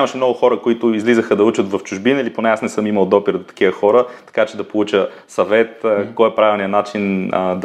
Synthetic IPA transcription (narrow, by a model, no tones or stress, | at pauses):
aməʃɛmnɔɡʊxɔɾəkʊit̪ʊizlizəxəd̪ɐut͡ʃət̪vɐft͡ʃʊʒbinəiliponɛasnɛsɤmiməlˠd̪ɔpiɾd̪ot̪ɐ̥kivəxɔɾət̪ɐ̥kat͡ʃɛd̪ɐpolˠut͡ʃə | sɐvɛt̪̚ːkɔjɛpɾavilˠnijənat͡ʃind̪